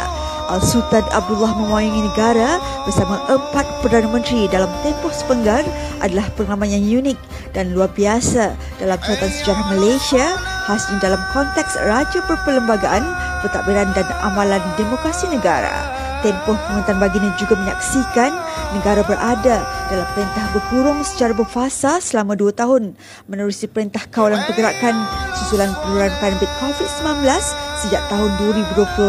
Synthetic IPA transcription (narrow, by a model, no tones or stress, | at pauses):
ʔalsut̪ana̰b̚dulːahmə̃majuŋinəɡaɾa | b̥ərsamaʔəmpat̪̚pərdanamə̃nt̪ɾidalamt̪ɛmpɔhsə̥pəŋɡarʔa̰dalahpəŋlamãnjaŋjunɪk̚ | d̥anluarbiasa | d̥alamkəat̪ansəd͡ʒaɾahməlesiahasɪldalamkɔnt̪ɛk̚srad͡ʒapərpələmbaɡaʔan | kət̪a̰ʔbiɾandana̰mãlandemokɾasinə̃ɡa̰ɾa̰ | t̪ɛmpɔhkəmə̃nt̪anbaɡiɲãd͡ʒuɡamə̃ɲa̰k̚sikanːəɡaɾabəɾʔadadalampəɾint̪ahbərkuɾʊŋsə̥t͡ʃaɾabərfasasəlamãduat̪aɦʊn | mə̃nəɾusipəɾint̪ahkawalanpəɡəɾakansusulanpəluɾanpanəbɪt̪̚kʰovid̚səmblanblasːəd͡ʒaʔ̚t̪aɦʊnduəɾibuduəpulu